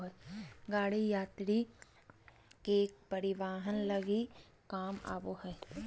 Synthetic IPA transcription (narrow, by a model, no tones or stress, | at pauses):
ɦɛɡaːɽijaːt̪ɾi | kek̚pɐɾɪʋaːɦənlɐɡi | kaːma̰ːboɦɛː